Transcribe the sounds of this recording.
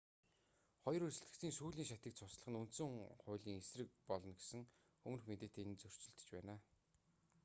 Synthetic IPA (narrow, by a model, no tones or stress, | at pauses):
χɔj̆rɵsɘ̆ɬt̪ɡɘ̥̆kt̪iːŋsuːɮiːŋʃat̪iːk̚t͡sʰʊs̆ɮə̥χə̆nun̥t̪sɘ̆ɴχʊːɮiːŋesrɘ̆k̚pɔɮɞ̆nɡesɘ̆ŋ | ɵmɵ̆rxmet̪eːt̪eːnnt͡sɵr̥t͡ɕɪ̆ɬt̪ɘ̥̆t͡ɕpæːnaː